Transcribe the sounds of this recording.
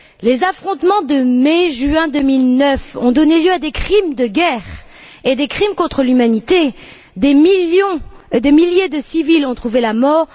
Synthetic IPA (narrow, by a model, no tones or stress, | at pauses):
lezafχɔ̃t̪mɑ̃d̪əmeʒyɛ̃d̪əmilnœfɔ̰̃d̪ɔneljøad̪ekχimd̪əɡʲɛʁ | ed̪ekχimkɔ̃t̪χəlymanit̪e | d̪emijɔ̃d̪emiljed̪əsivilɔ̃t̪χuvelamɔːʁ